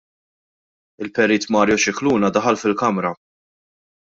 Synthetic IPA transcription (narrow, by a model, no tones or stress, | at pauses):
ɪlpɛɾiːt̪mɐːɾjɔʃɪkluːnɐd̪ɐħɐlfɪlkɐmɾɐ